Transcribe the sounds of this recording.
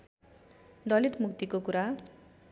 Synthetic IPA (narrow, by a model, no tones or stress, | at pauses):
d̪ʌlit̪mukt̪ikokuɾa